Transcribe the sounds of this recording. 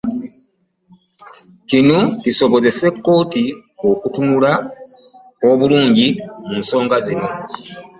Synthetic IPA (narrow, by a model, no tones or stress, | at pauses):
cinociso̞βo̞ze̞se̞kːo̞ːtio̞kutumula | oβuluːɲɟimunso̞ːŋɡazino̞